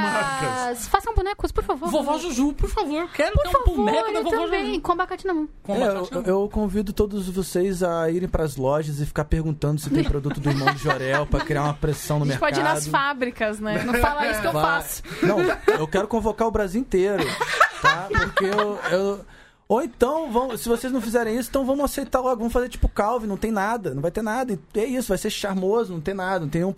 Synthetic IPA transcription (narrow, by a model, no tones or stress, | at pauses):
aikɐssfasɐ̃w̃bunɛkʊspoɾfavoɾvovaʒoʒupoɾfavoɾkɛpoɾ̃fabuvnɛk̪bẽjkõbakat͡ʃinɐ̃kõɛeweewkõvid̪ʊt̪od̪ʊzvosejzɐiɾẽj̃pɾɐzlɔʒɐzɪfi̥kaɾpeɾɡũnt̪ɐ̃nd̪ʊsɪt̪ẽj̃pɾod̪ut̪ʊd̪ʊiɾmɐ̃d̪ɪd͡ʒoɾɛwpɾɐkɾiaɾũmɐpɾesɐ̃w̃nʊmeɾkpɔkɪiaɾaɐd̪ʊfabɾikɐznɛnɐ̃falaisʊʊkewvafsʊ̥nɐ̃w̃ewkɛɾʊkõvokaɾʊbɾaziwĩt̪eɾʊt̪apoɾkewew | owẽt̪ɐ̃w̃vɐ̃wmʊsɪvosejznɐ̃w̃fizɛɾẽj̃is̬ʊẽt̪ɐ̃w̃vɐ̃mʊasejt̪aɾlɔɡʊvɐ̃mʊfazeɾt͡ʃi̥pʊkawvɪnɐ̃w̃t̪ẽj̃nad̪ɐnɐ̃w̃vajt̪eɾnad̪ɐɪɛisʊvajseɾʃaɾmozʊnɐ̃w̃t̪ẽj̃nad̪ɐnɐ̃t̪ẽj̃nj̃